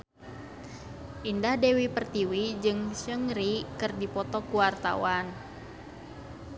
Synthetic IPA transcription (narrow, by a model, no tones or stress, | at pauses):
ʔindahdewipərt̪iwid͡ʒɨŋsəŋɾikɨrdipɔt̪ɔkuwart̪a̰wan